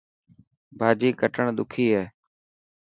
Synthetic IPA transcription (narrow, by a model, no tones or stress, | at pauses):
bʱaːd͡ʒiːkəʈəɳd̪ʊkʰiːɦeː